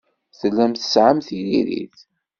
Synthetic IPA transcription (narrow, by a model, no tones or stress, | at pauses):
θəlːæmθə̥sʕəmθiliɾḭθ